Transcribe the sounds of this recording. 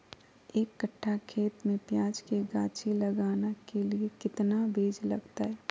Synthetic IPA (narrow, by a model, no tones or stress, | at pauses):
eːkːəʈʰːakʰeːt̪mẽpjaːd͡ʒkeɡaːt͡ʃiləɡaːnakeliekɪt̪nabʱeːd͡ʒlə̰ɡt̪aɦɛː